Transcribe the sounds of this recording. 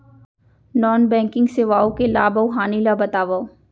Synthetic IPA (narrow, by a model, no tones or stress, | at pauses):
nɔːnbɛ̃ːŋkɪ̃ŋɡseʋaːokelaːbɐwɦaːnilabɐt̪aːʋao